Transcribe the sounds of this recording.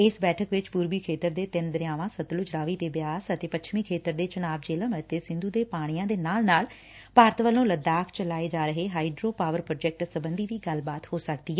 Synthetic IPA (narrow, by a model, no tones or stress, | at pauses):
ɪsbɛːʈʰəkʋɪt͡ʃpuːɾʋiːkʰeːt̪əɾd̪eːt̪ɪnd̪əɾɪjaːʋãːsət̪lʊd͡ʒɾaːʋiːd̪eːbɪjaːsət̪eːpət͡ʃʰmiːkʰeːt̪əɾd̪eːt͡ʃənaːbd͡ʒeːləmət̪eːsɪ̃nd̪uːd̪eːpaːɽ̃ijãːd̪eːnaːlnaːl | paːɾət̪ʋəlõːləd̪aːkʰt͡ʃəlaːeːd͡ʒaːɾəɦeːɦaːiɖɾoːpaːʋəɾpɾoːd͡ʒɛk̚ʈsəbənd̪iːʋiːɡəlbaːt̪hoːsəkd̪iːɛ